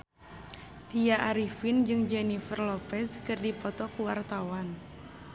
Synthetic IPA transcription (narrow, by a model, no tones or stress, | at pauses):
t̪iaʔaɾifind͡ʒɨŋd͡ʒɛnifərlɔpɛskɨrdipɔt̪ɔkuwart̪awan